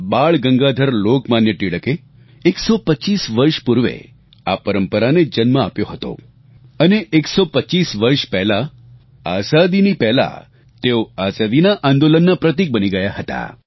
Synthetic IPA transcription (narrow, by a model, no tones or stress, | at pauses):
baɭɡəŋɡad̪ʱəɾlokmanjəʈiɭəkeː | ksɔpətːt͡ʃisʋəɾʃpuɾʋḛ | a̰pəɾəmpəɾaned͡ʒənməapjoɦət̪o̰ | əneʔeksɔpət͡ʃisʋəɾʂpɛɦla | asad̪inipɛɦla̰ | t̪eoazad̪inaʔãnd̪olənːapɾət̪̬ik̚bəniɡəjaɦət̪a̰